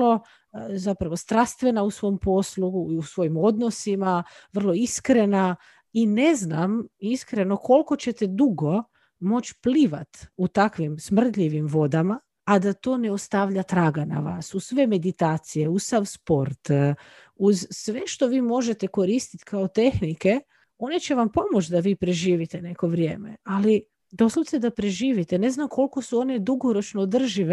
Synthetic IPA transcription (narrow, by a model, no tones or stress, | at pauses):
lo̞ | zapɾaʋo̞st̪ɾast̪ʋe̞nausʋo̞mpo̞sluiusʋo̞jimo̞d̪no̞simaʋr̩lˠo̞iskɾe̞na | ine̞znamiskɾe̞no̞ko̞lˠko̞t͡ɕe̞t̪ed̪uɡo̞ | mo̞t͡ɕpliʋat̪ut̪akʋimsmr̩t̪ʎiʋimʋo̞d̪ama | ad̪at̪o̞ːneost̪aʋʎat̪ɾaːɡana̰ʋa̰su̥sʋe̞me̞d̪it̪aːt̪sije̞usaʋspo̞ɾt̪ | uzsʋe̞ʃt̪o̞ʋiːmo̞ʒe̞t̪e̞ko̞ɾist̪it̪kaot̪e̞xnike | o̞ne̞t͡ɕe̞ʋampo̞mo̞t͡ʃd̪aʋiːpɾeʒiːʋit̪ene̞ko̞ʋɾjeːmḛali | d̪o̞slˠot̪sed̪apɾe̞ʒiːʋit̪ene̞znamkʰo̞lˠko̞suo̞ne̞d̪uɡo̞ɾo̞t͡ʃnoːd̪r̩ʒiʋe